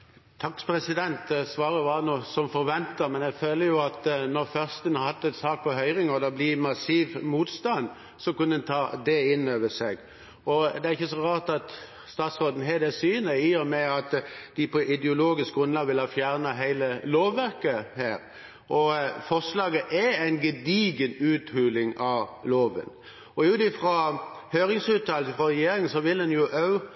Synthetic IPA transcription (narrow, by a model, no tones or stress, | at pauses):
t̪ʰɑkːpʰɾɛsɪd̪ɛnt̪sʋɑːɾəʋɑːnuːsɔmfɔɾʋɛnt̪əɾmɛnɛføːləɾjʊɑt̪nɔɾfœʁst̪ənɑɾhɑt̪ːɛt̪sɑːk̚pʰɔɦœʏɾɪŋɔd̪ɛblɪmɑsiːʋmuːt̪st̪ɑn | sɔkʉnnt̪ʰɑːd̪ɛɪnːøːʋəsɛɡ | ɔd̪ɛæɾɪçːəsɔʁɑːʁt̪ɑt̪ | st̪ɑːt̪sʁoːd̪n̩ɦɛd̪ɛsyːnəiːɔmɛɑt̪d̪̥ɪpʰɔʔɪd̪ɛʊloːɡɪskɡʁʉnlɑːɡʋɪlhɑːfjæʁnɑɦæɪləloːʋːæɾkəhæːɾ | ʔɔfɔʂlɑːɡəʔɛæɪnɡəd̪iːɡənʉːt̪hʉːlɪŋʔɑʋloːʋə̰n | ɔjʉːt̪ɪfɾo | høːɾɪŋsʉːt̪ʰɑːləɪfʁɔʁɛjjeːɾɪŋənsɔʋɪldɛnjʊʔɑʉ